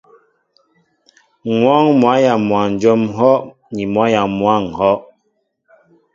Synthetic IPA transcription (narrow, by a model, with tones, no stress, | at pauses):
ŋwa˦ŋmwa˨˦ja˨mwa˨n̩˨d͡ʒɔ˦mɦɔ˦ʔ | ni˨mwa˨˦ja˨mwa˦˨ŋ˨hɔ˦ʔ